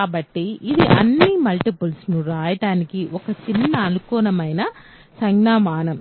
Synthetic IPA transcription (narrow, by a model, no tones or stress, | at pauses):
aːbɐʈːiʔɪðɯʔɐ̰nːimɐlʈipɯlsnuɾaːjʈaːnikːiʔɔkːɐt͡ʃɪnːɐːnɯkːoːnɐmɐːjnɐ | sɐŋɡnaːmaːnɐm